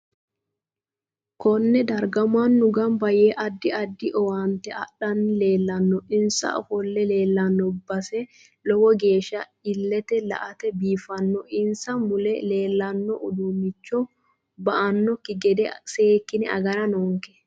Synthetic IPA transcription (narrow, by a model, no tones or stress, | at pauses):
kɔnːɛd̪ɐɾɡɐmanːʊɡɐmbɐjeːʔɐd̪ːɪɐd̪ːɪʔɔwaːnt̪ɛɐ̰ɗɐnle̞ːlːɐnːɔɪnsɐ̰ʔɔ̰fɔlːɛleːlːɐnːɔbːɐsɛ | lɔwɔɡe̞ːʃɐɪlːɛt̪ɛlɐ̰ʔɐt̪ɛbiːfɐnːɔʔɪnsɐmmʊlɛle̞ːlːɐnːɔʔʊd̪ʊmːɪt͡ʃːɔ | bɐʔɐnːɔkːɪɡɛd̪ɛseːkːɪnɪɐ̰ɡɐɾɐnoːŋkɛ̥